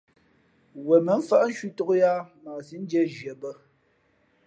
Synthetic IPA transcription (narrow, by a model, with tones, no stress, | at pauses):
wə˨mə˨˦m̩˦fa˦ʔn̩˦ʃɥi˦to˦kja˦ma˨si˨˦n̩˦d͡ʒjɛ˦ʒɥə˨bə˦